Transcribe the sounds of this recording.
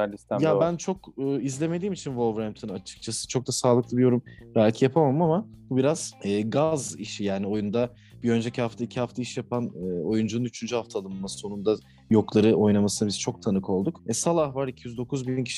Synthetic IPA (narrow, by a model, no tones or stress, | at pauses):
ijabænt͡ʃʰo̞kɯːizlʲe̞me̞d̪iːmit͡ʃʰinvolˠvɾamt̪ʰɯnat͡ʃʰɯ̥k̚t͡ʃʰasɯ̥t͡ʃʰo̞k̚d̪asaːlˠɯklˠɯbijo̞ɾumɾalʲcʰijapʰamamɯmamabubiɾaz̥ɛːɡaziʃijaːnio̞jund̪a | b̥iø̞nd͡ʒecʰihaft̪ʰaicʰihaft̪ʰaiʃjapʰanːo̞jund͡ʒunɯnyt͡ʃʰynd͡ʒyhaft̪ʰaːlˠɯmmasso̞nund̪a | jo̞klˠaɾɯʔo̞jnamasɯnabiz̥t͡ʃʰo̞k̚t̪ʰanɯkʰo̞lˠd̪ukɛsalˠahvaɾicʰijyzd̪o̞kʰuzbiincʰi̥ʃ